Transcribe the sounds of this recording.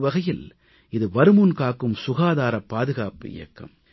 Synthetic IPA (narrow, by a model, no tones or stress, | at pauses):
ʋɐɣɐjɪl | ɪðɯʋɐɾɯmunkaːkːɯmsʊɣaːðaːɾɐpːaːðɯɣaːpɪ̰jɐ̰kːɐ̰m